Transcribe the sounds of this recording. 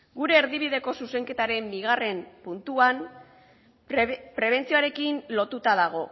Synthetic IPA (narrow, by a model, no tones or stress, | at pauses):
ɡuɾe̞ːɾðiβiðe̞ko̞suse̞ŋke̞t̪aɾe̞mbiɣare̞mpunt̪uan | pɾe̞β̞e̞nt͡sio̞aɾe̞kinlo̞t̪ut̪aðaɣ̞o̞